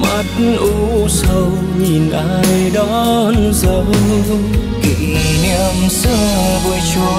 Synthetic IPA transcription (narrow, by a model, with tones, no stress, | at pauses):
mə˨˦˩t̚nʔu˧sə˧w | ɲi˨˩nʔaː˧jɗɔ˧˦nzə˨˧˦w | ki˨˩ŋni˧əmsɨ˧˩ | vu˧˩jt͡ɕo˧